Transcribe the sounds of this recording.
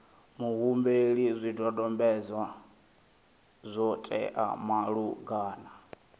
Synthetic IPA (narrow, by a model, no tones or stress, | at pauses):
muɦumbeɺizʷidɔdɔmbɛzwa | zʷɔtʼɛ̰ʔa̰maɺuɡaːna